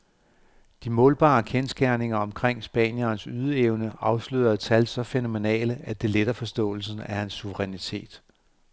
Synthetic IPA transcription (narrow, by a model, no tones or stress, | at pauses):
d̥imɔ̽ːlb̥ɑ̰̈ːkʰensɡ̥æɐne̝ŋɐɒ̽mkʰʁeŋ̰sb̥ɛ̰ːnjɐːnsyð̞ˠəeʊnəɑ̈ʊslyð̰ˠɐt͡sʰælsɒ̽feno̝me̝nɛ̰ːləʔæd̥e̝led̥ɐfɒ̽sd̥ɔ̰̽ːl̩sn̩æhænsːuʋəʁɛnit͡sʰe̝̰ːd̥